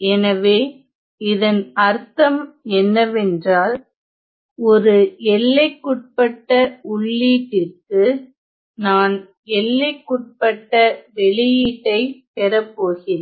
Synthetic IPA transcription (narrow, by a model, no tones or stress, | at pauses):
ɛnɐʋeː | ɪðɐnɐɾt̪ɐmɛnːɐʋɛndraːl | ɔɾɯɛlːɐɪkːʊʈ̚pɐʈːɐʊɭːiːʈːɪrkɯ | naːn | ɛlːɐɪkːʊʈ̚pɐʈːɐʋɛɭɪjiʈːɐɪpɛɾɐpːoːɣɪ